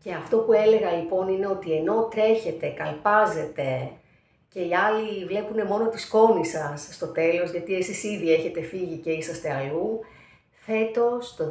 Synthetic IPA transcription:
ce̞ɐft̪o̞pue̞le̞ɣɐlipo̞nine̞o̞t̪ie̞no̞t̪ɾe̞çe̞t̪e̞kɐlpɐze̞t̪e̞ | ce̞iɐlivle̞pune̞mo̞no̞t̪isko̞nisɐsːt̪o̞t̪e̞lo̞zʝɐt̪ie̞sisiðie̞çe̞t̪e̞fiʝice̞isɐst̪eɐlu | fe̞t̪o̞st̪o

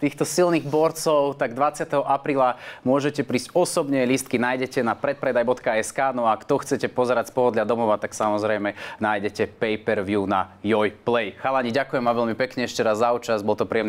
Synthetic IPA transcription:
t̪iːxt̪ɔsilniɣbɔɾt͡sɔʊt̪aɡd̪ʋat͡sɪat̪ɛɦɔʔapɾiːlamʊɔʒɛcɛpɾiːscɔsɔbɲɛlist̪̚kinajɟɛcɛnapɾɛt̪̚pɾɛd̪ajbɔt̪kaɛskaːnɔaːkt̪ɔxt͡sɛcɛpɔzɛɾacspɔɦɔd̪lʎad̪ɔmɔʋat̪aksamɔzɾɛjmɛnaːjɟɛcɛpɛjpɛɾʋjunajɔjplɛjxalaɲiɟakujɛmʋaʋɛʎmipɛkɲɛɛʃcɛɾazːauːt͡ʃazbɔlt̪ɔpɾijɛmn

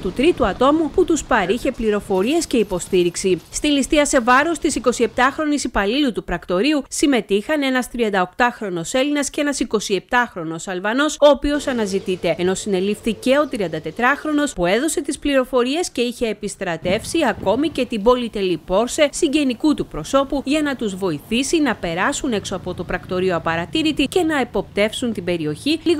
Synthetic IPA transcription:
t̪ut̪ɾit̪uɐt̪o̞muput̪uspɐɾiçe̞pliɾo̞fo̞ɾie̞sce̞ipo̞st̪iɾiksist̪ilist̪iɐse̞vɐɾo̞st̪isiko̞sie̞p̚t̪ɐxɾo̞nisipɐlilut̪upɾɐkt̪o̞ɾiusime̞t̪ixɐne̞nɐst̪ɾiɐnd̪ɐo̞kt̪ɐxɾo̞no̞se̞linɐscenɐsiko̞sie̞p̚t̪ɐxɾo̞no̞sɐlvɐno̞so̞ːpio̞sɐnɐzit̪it̪e̞eno̞sine̞lifθice̞o̞t̪ɾiɐnd̪ɐt̪e̞t̪ɾɐxɾo̞no̞spue̞ðo̞se̞t̪ispliɾo̞fo̞ɾie̞sce̞içe̞ːpist̪ɾɐt̪e̞fsiɐko̞mice̞t̪ibo̞lit̪e̞lippo̞ɾse̞siɟe̞nikut̪upɾo̞so̞puʝɐnɐt̪uzvo̞iθisinɐpe̞ɾɐsuneksoɐpo̞t̪o̞pɾɐkt̪o̞ɾioɐpɐɾɐt̪iɾit̪ice̞nɐe̞po̞p̚t̪e̞fsunt̪ibe̞ɾio̞çili

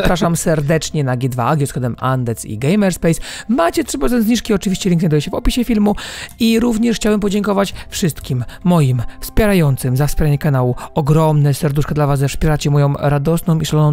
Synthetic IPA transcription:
pɾaʂamsɛɾd̪ɛt͡ʂɲɛnaɡʲjɛd̪va̰aɡʲjɔskad̪ɛmand̪ɛsḭɡɛjmɛɾspɛjsmat͡ɕɛtʂɘpɾɔzɛnzɲiʂkʲiɔt͡ʂɨvʲiɕt͡ɕɛlʲiŋknajd̪ɔjɛɕɛvɔpʲiɕɛfʲilmuiɾuvɲɛʂxt͡ɕawɛmpɔd͡ʑɛŋkɔvat͡ɕfʂɘst̪kʲimːɔjimfspʲjɛɾajɔnt̪sɘmzafspʲjɛɾaɲɛkanawuɔɡɾɔmnɛsɛɾd̪uʂkad̪lavaszɛfspʲjɛɾat͡ɕɛmɔjɔ̃w̃ɾad̪ɔsnɔ̃miʂalɔnɔ̃w̃

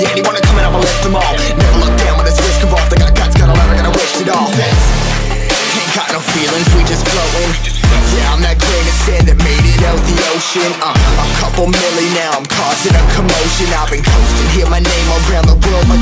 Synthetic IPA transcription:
jæɛ̃niwɑ̃nɨkʰʌ̃mɪ̃nʌ̃pəlɪftəmɔlˠ | nɛvə˞lʊk̚d̥ãʊ̃nwəðɪswɪskʌvɔfðɨkaɪɡatsɡ̥ʌ̃nəlɛvə̃ɡʌnəwɪktɨɾɔfðɨ | ɪkʰnkʰãnəfilˠɪ̃ŋzwid͡ʒʌsɡ̥ɹoʊɪ̃ŋ | d̥ãʊ̃nðɨt̚ɡ̥ɹẽɪ̃nɨsɛ̃nðɨt̚miɾɪɾoʊt̪̚ðioʊʃɨ̃nʌəkʰʌpl̩ˠmɪlˠinaʊãɪ̃mkʰɔsɪ̃ŋɨkʰəmoʊʃɨ̃navɨ̃ŋkʰõʊstɨ̃iɹmaɪnẽɪ̃məlˠɡɹãʊ̃nðəbɜl̚ˠmaɪ

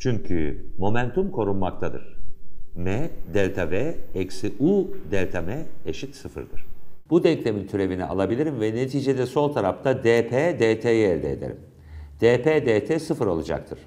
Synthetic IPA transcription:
t͡ʃʰyɲcʰy̰mo̞mænt̪ʰumkʰo̞ɾunmak̚t̪ʰad̪ɯ̰ɾ̥mɛd̪ɛlʲt̪ʰavɛɛksiʔud̪ɛlʲt̪ʰamɛeʃit̪sɯfɯ̰ɾd̪ɯɾ̥b̥ud̪ɛɲclʲe̞mint̪ʰyɾe̞vinḭʔa̰lˠabilʲiɾimvɛne̞t̪ʰiːd͡ʒed̪ɛso̞lˠt̪ʰaɾaft̪ʰad̪eːpʰeːd̪eːt̪ʰeːjɛɾd̪ɛ̰ːd̪ḛɾḭm | d̪̥eːpeːd̪eːt̪ʰɛːsɯfɯɾo̞lˠad͡ʒa̰k̚t̪ʰɯɾ̥

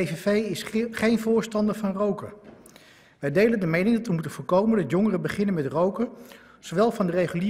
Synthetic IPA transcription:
evevejɪsχejnvʊːɹstɑndəɹvɑnrowkə | ʋɛjdejləndəmejnɪŋdɑtʋəmutənvoːɹkowməndɑtjoŋərəbəχɪnənmɛtrowkə | z̥oʋɛlˠvɑndərejχyli

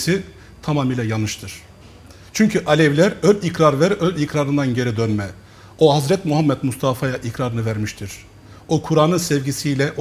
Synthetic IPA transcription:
i | t̪ʰamaːmilʲɛjanɯʃt̪ʰɯɾ̥ | t͡ʃʰyɲcʰyʔalʲɛvlʲæɾølʲikɾaɾvæɾølʲicɾaɾɯnd̪anɟe̞ɾid̪ønmɛ | oɦazɾɛt̪muɦamːɛt̪must̪ʰafajaʔikʰɾaɾɯnɯvæɾmiʃt̪ʰiɾ̥ | okʰuɾaːnɯnsɛvɟisijlʲɛʔ

